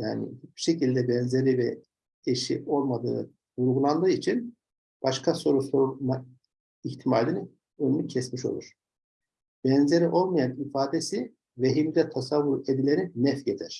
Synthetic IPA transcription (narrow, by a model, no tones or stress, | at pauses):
ja̰ːnḭit͡ʃb̥i̥ʃe̞cilʲd̪ɛbɛnze̞ɾivɛ | eʃḭʔo̞lˠmad̪ɯ̰ː | vuɾɡulˠand̪ɯːit͡ʃʰin | b̥aʃkʰaso̞ɾusoɾuma | içt̪ʰimaːlʲini | ønycʰɛsmiʃo̞̰lˠṵɾ̥ | b̥ɛnze̞ɾiʔo̞lˠmajanifaːd̪esi | veɦimd̪ɛt̪ʰasavːuɾed̪ilʲeɾinɛfjed̪ʰiɾ̥